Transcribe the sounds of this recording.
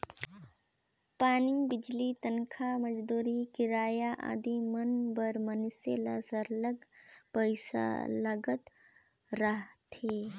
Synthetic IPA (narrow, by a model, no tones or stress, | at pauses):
paːnibɪd͡ʒlit̪ənkʰaməd͡ʒd̪uːɾikɪɾaːjaʔa̰d̪imənbəɾmənsḛlasəɾləɡpəɪsa̰ləɡət̪ | ɾəɦt̪ʰe